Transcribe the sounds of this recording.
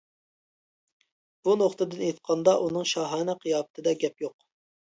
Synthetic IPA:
b̥unoχt̪ɨd̪ɪnet̪qʰɑnd̪ɑʔunɨŋʃɑɦɑːnɛqʰəjɑːpt̪ʰɨd̪ɛɡʲɛpjoq

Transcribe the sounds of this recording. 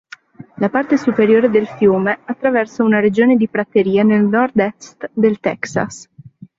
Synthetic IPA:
lapart̪esupeɾjoːɾed̪elfjuːmeat̪ːɾavɛrsaunaɾed͡ʒoːned̪ipɾat̪ːeɾiːanelnɔrd̪ɛst̪d̪elt̪ɛ̰ksa̰s

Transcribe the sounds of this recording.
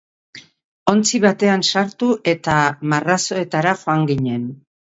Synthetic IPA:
o̞nt͡siβat̪e̞ansaɾt̪uʔe̞t̪amaraso̞e̞t̪aɾaʝo̞aŋɡiɲe̞n

